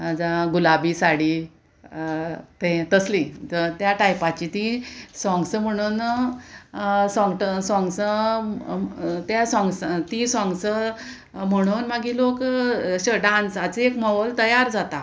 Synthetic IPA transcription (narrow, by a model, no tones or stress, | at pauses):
d͡zaɡulabiːsaɽi | t̪ẽt̪əslit̪jaʈajpãt͡ɕit̪isɔ̃ŋɡsəm̤əɽ̃uːn | sɔ̃ŋɡʈəsɔ̃ŋɡsə | t̪jasɔ̃ŋɡst̪isɔ̃ŋɡsə | m̤əɽ̃uːnmaɡilokɕəɖãnt͡sat͡seekmɔəlt̪əjaɾd͡zat̪a